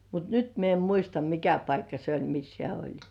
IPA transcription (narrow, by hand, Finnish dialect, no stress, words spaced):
mut nyt mie em muistɑ mikæ pɑikːɑ se olʲ mis hĕæˑ olʲ